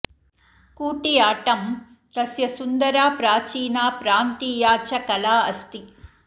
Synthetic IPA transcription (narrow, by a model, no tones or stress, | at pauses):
kuːʈijaːʈɐm | t̪ɐsjɐsund̪ɐɾaːpɾaːt͡ʃiːnaːpɾaːnt̪iːjaːt͡ʃɐkɐlaːɐst̪i